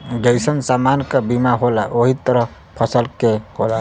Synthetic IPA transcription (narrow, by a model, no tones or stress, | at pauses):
ɡəjsənsamankebimaɦolaʔoɦit̪əɾəɦ | pʰəsəlkehola